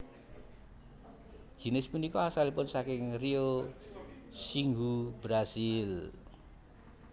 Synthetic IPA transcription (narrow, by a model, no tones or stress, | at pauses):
d͡ʒ̥i̤nɪspunikɔasalipʊnsakɪŋrio | siŋɡubɾasil